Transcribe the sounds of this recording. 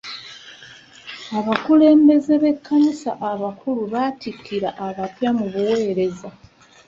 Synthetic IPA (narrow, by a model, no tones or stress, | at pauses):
aβakule̞ːmbe̞ze̞βe̞kːanisa̰ʔaβakʰuluβaːtikʰːiɾaʔaβatjamuβuwe̞ːɾe̞za